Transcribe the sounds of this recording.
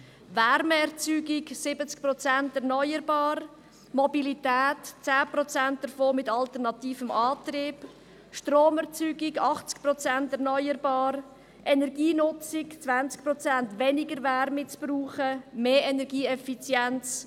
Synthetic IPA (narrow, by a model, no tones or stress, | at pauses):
ʋɛɾmɛɾt͡syːɡɪksɪbət͡sk̚pɾɔt͡sæntɛʁnɔʏəɾbɑːr | mɔbilitɛːtt͡sæːprɔt͡sænt̚d̥əɾfoːmɪtɑltəʁnɑtiːfəmʔɑːtriːb̥ | ʃtroːmɛʁt͡syːɡɪɡɑχt͡sk̚prɔt͡sæntɛʁnɔʏərbɑːɾ | ʔɛnɛɾɡiːnʊt͡sɪkt͡svænt͡sk̚prɔt͡sæntʋɛnɪɡəɾvɛɾmɪt͡sb̥ruːχəmeːɛnɛɾɡiːɛfit͡sjɛnt͡s